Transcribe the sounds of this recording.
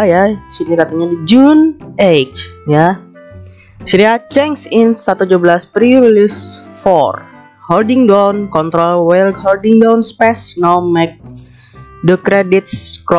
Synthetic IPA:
jasinikat̪aɲadid͡ʒunʔet͡ʃja | siniat͡ʃɛŋsɪnsːat̪ud͡ʒuabəlaspɾiɾilisfɔ̰r | hɔldɪŋdawnkɔnt̪ɾɔlwɛldhɔldɪŋdawnspɛsnɔmɛk̚ | dəkɾedit̪̚skɾɔ

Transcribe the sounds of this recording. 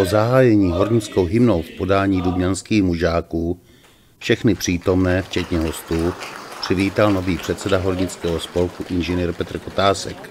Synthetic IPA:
pozaɦaːjɛɲiːɦo̞ɾɲɪt͡skowɦɪmno̞wfpo̞daːɲiːdubɲanskiːxmuʒaːkuː | fʃɛxnɪpr̝̥iːt̪o̞mnɛːft͡ʃɛt̪ɲɛɦo̞st̪uːpr̥ɪviːt̪alno̞viːpr̝̥ɛt̪sɛdaɦo̞ɾɲɪt͡skɛːɦo̞spo̞lkuʔɪnʒɛniːɾpɛt̪r̩ko̞t̪aːsɛk

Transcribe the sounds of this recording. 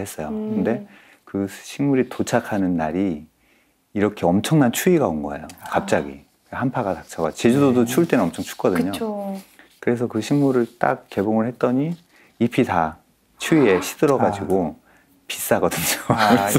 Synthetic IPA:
he̞s͈ʌjokɯnde̞ | kɯɕʰiŋmuɾitot͡ɕʰakʰanɯnːaɾiː | ɾʌkʰe̞ʌmt͡ɕʰʌŋnant͡ɕʰuiɡaonɡʌḛjokap̚t͡ɕ͈aɡḭ | hampʰaɡatak̚t͡ɕʰaɡa̰t͡ɕed͡ʑudodot͡ɕʰuɭt͈e̞nɯnʌmt͡ɕʰʌŋt͡ɕʰu̥k͈ʌdɯɯɲo | kɯɾe̞sʰʌkɯɕʰiŋmuɾɯɭt͈a̰k̚k͈ːe̞boŋɯɭhe̞t̚t͈ʌɲi | ipʰita | t͡ɕʰuie̞ɕʰi̥dɯɾʌɡad͡ʑiɡo | pi̥s͈aɡʌdɯɲo

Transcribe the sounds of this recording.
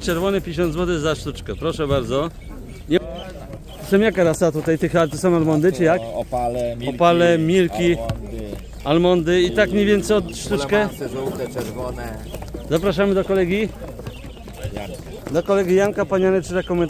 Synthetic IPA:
t͡ʂɛɾvɔnɘpʲjeɕ̬ɔ̃nd̪zwɔt̪̬ɪzaʂt̪ut͡ʂkɛpɾɔʂɛbaɾd̪zɔ | ɲɛ | sɔmjakaɾasat̪ut̪ajt̪ɪxaɾt̪ɨsɔ̃w̃almɔnd̪ɘt͡ʃɘjaklɔpalɛmʲilkʲi | almɔnd̪ɘit̪akɲɛvʲjɛnt̪sɛjɔt̪ʂt̪ukɛ | ɛɾvɔnɛ | zapɾaʂamɘd̪ɔkɔlɛɡʲi | d̪ɔkɔlɛɡʲijankapaɲanɛtʂɨzakɔmɛnt̪

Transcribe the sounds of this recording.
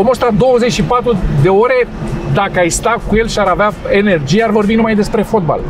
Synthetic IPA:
omost̪ad̪o̞wəze̞t͡ʃʲʃipat̪ɾud̪e̞o̞ɾe̞d̪akəajst̪akuje̞lʃiaɾaveae̞ne̞rd͡ʒijearvo̞rbinumajd̪e̞spɾe̞fo̞t̪̚ba̰l

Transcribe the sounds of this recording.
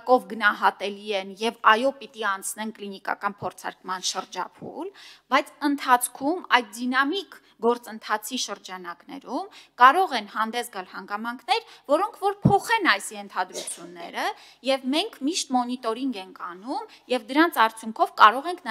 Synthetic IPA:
kɔvɡənɑɦɑt̪ɛliɛnjɛvɑjɔpit̪iɑnt͡sʰnɛnklinikɑ̰kɑnpʰɔɾt͡sʰɑ̰ɾkmɑnʃəɾd͡ʒɑ̰pʰṵlbɑjt͡sʰənt̪ʰɑt͡sʰkʰumɑjt̪̚d̪inɑmik | ɡɔɾt͡sənt̪ʰɑt͡sʰiʃəɾd͡ʒɑnɑknɛ̰ɾumkɑɾɔʁɛnhɑnd̪ɛsɡɑlhɑŋɡɑmɑŋkʰnɛɾvɔɾɔŋkʰvɔɾpʰɔχɛnɑjsjɛnt̪ʰɑd̪ɾut͡sʰjunːɛ̰ɾə | jɛvmɛŋkʰmiʃt̪mɔnit̪ɔɾiŋɡɛŋkʰɑnumjɛvd̪əɾɑnt͡sʰɑɾt͡sʰjuŋkʰɔvkɑɾɔʁɛŋkʰn

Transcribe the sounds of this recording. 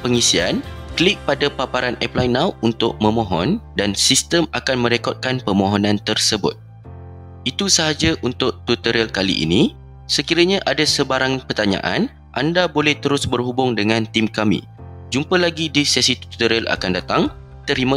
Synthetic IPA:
pəŋisia̰nklik̚padapapaɾanɛplajnawunt̪ʊ̰ʔ̚mə̃mɔ̃ɦɔndansist̪əmakanmə̃ɾekɔt̪̚kanpəmõɦɔnãnt̪ərsəbʊ̰t̪̚ | it̪usəɦad͡ʒaʔunt̪ʊʔ̚t̪ut̪əɾəlkalḭʔḭnĩ | səkiɾəɲãʔadasəbaɾaŋpərt̪aɲa̰ʔa̰n | ʔa̰ndabolɛht̪əɾʊsbərhubʊŋdəŋãnt̪imkamḭ̃ | d͡ʒumpəlaɡidisasit̪u̥t̪ut̪əɾəla̰kandat̪aŋ | t̪əɾimə

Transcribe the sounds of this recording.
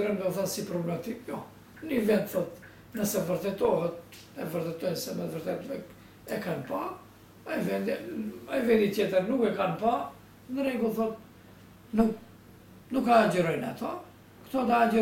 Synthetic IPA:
ɾɛnd̪ɔuθasipɾɔblɛmat̪ikjɔ | nivɛnt̪θɔt̪ | nəsɛvəɾt̪ɛt̪ɔɦɛt̪ | ɛvəɾt̪ɛt̪ɔjnsɛmɛðvəɾt̪ɛt̪vɛ | ɛkanpa | avɛnd̪aivɛnd̪it̪jɛt̪əɾnukɛkanpa | nd̪əɾɛɡulθɔt̪ | nuk | nukaːd͡ʒəɾɔjna̰t̪ɔ | kt̪ɔt̪aːd͡ʒə

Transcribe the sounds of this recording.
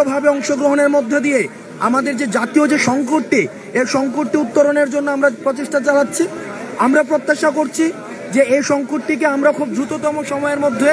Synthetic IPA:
obʱabeɔŋʃoɡɾoɦoneɾmod̪ʱːed̪ije | a̰mad̪eɾd͡ʑed͡ʑat̪iod͡ʑeʃɔŋkoɾʈːi | ejʃɔŋkoʈːiut̪ːoɾoneɾd͡ʑonːoamɾapɾot͡ɕeʃʈat͡ɕanatːɕʰi | amɾapɾot̪ːaʃakoɾt͡ɕʰi | d͡ʑeʔejʃɔŋkoʈʈik̬eamɾakʰub̚d̪ɾut̪ot̪ɔmoʃɔmɔeɾmod̪ʱːe

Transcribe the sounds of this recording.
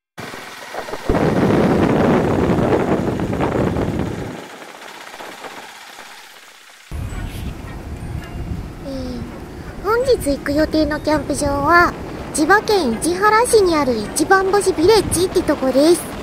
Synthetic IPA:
e | hõ̞ɲ̟d͡ʑit͡sɨikɯ̟jo̞t̪e̞ːno̞kʲãmpɯ̟ʑo̞ːβa | d͡ʑibakẽ̞ɰ̃id͡ʑiɦaɾaɕiɲ̟iaɾɯ̟it͡ɕibãmbo̞ɕibʲiɾe̞t͡ɕit̪ːeɯ̟t̪o̞koɾd̪e̞sɨ̥

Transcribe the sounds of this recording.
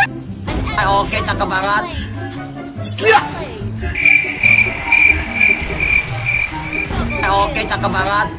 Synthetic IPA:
aoket͡ʃakəmaɾat̪̚ | skiaʔ | ajoket͡ʃakəmaɾat̪̚

